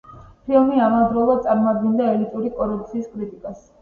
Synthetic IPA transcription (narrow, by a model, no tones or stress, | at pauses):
pʰimiamad̪ɾɔlˠad̪̚sʼaɾmad̪̚ɡɛnd̪aɛlit̪ʼuɾikʼɔɾup̚t̪sʰiːskʼɾit̪ʼikʼas